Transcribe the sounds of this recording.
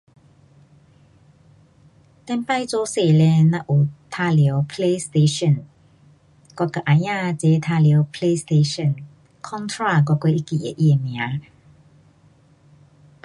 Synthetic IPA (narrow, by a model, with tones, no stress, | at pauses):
t̪ɛ˧˥npa˥˧˨jt͡sɔ˧˦se˨˩lɛ˧nã˧ʔu˨˩t̪ʰa˧ljə˨˧˦wpʰle˧st̪e˧ʃɔ˥˨n | kɔ˧ka˨ʔa˨jãː˥˧t͡sɛ˨˦t̪ʰa˧ljə˨˦wpʰle˧˦st̪e˧ʃɔ˥˨n | kʰɔ˥˦nt̪ʰɾa˥˧˨kɔ˧kwe˧ʔi˦ki˨˩ḛ˨ʔi˧e˨˩mj̃ã˨˦